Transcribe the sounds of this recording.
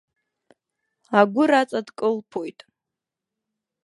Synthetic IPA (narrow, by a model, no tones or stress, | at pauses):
aɡʷʊɾat͡sʼadkʼɨlpʰojtʼ